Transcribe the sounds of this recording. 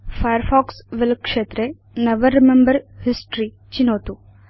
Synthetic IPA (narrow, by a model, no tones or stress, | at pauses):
fʰɐjəɾfɔːksʋelkʂeːt̪ɾe | neʋɐɾːimẽmbɐɾhisʈɾi | t͡ʃinoːt̪u